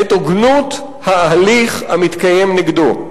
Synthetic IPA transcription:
et̪oɡnut̪ | haːliχa̰mit̪kaje̞mniɡdo

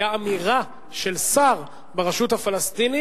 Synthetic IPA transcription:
aːmiʁa | ʃelsaʁ | beʁeʃuthafalast̪ini

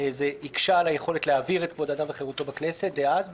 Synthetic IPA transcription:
ezeikʃalajeχo̞letleaviʁet̚kvodad̪amveχeʁut̪o̞bakne̞se̞tveaz

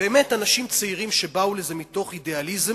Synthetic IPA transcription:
beːmetanaʃimt͡seiʁimʃe̞bauleze̞mito̞χidealiz

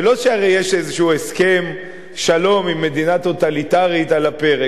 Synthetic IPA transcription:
elotʃeaʁejeʃezeʃuueske̞m | ʃalo̞mimːe̞d̪inat̪o̞t̪alit̪aʁit̪alape̞ʁe

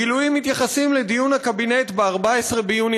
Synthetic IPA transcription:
ilujimːit̪jaχasimled̪ijunhakabine̞t̪beaʁbaesʁe̞bejuni

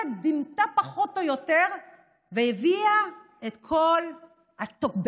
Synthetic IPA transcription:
d̪imt̪apaχotojoteʁ | vejevia | et̪kʰol | hat̪okb

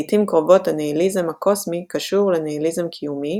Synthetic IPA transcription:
timkʁovo̞thaneilizemhako̞smikaʃuʁleneilizemkʰijumi

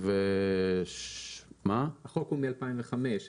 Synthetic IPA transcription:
ve | mahaχokumialpaimveχameʃ

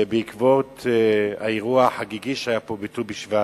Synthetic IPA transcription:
beikvot̪a̰iʁuaħaɡiɡiʃajapobitubiʃva

